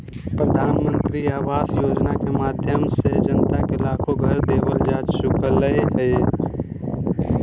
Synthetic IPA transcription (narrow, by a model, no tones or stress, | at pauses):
pɾəd̪ʱaːnmə̃nt̪ɾiaːʋaːsjoːd͡ʒnakemaːd̪ʱjəmsed͡ʒənt̪akelaːkʰoɡʱəɾd̪eːʋəld͡ʒaːd͡ʒʃʊkələeɦɛ